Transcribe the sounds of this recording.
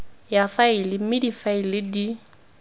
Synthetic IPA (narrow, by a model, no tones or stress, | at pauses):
jafaɪlɪmɪdifaɪlɪdi